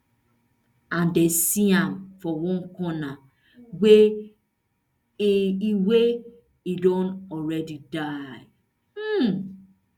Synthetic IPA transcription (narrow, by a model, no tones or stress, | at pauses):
ãndesiãmfɔwɔ̃ŋkɔna | we | iwe | idõntɔɾɛdidaɪ